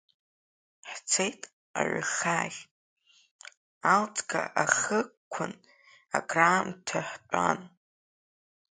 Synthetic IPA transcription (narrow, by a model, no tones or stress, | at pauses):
ħt͡sʰejtʼ | a̰ʕɨχaɮʲ | alt͡sʼɡaʔaχəkʷʰʊn | aɡraːmtʰaħt͡pʷʼa̰n